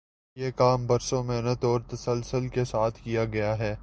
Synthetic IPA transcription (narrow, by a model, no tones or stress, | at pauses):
jeːkaːmbɐɾsõmɪɦnət̪ɔːɾt̪ɐsəlsəlkesaːt̪ʰkijaɡɐjaɦɛː